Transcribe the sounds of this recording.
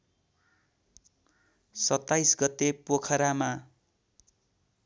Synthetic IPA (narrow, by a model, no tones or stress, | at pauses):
sʌt̪ːajsɡʌt̪ːepokʰʌɾama